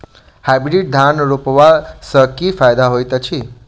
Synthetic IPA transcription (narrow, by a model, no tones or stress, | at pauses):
habiɖiʈ̚d̪ʱanɾupʋasəkifajd̪aɦojt̪ət͡ʃʰi